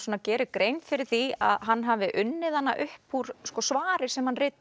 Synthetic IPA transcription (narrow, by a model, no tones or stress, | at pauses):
sɔːnacɛːɾɪkɾejnfɪɾɪɾ̥θia̰ðɦanːɦaːvɪʔʏnːɪðanːa̰ʔʏhphuɾ̥skɔsvaːɾɪɾ̥sɛmhanrɪːt̪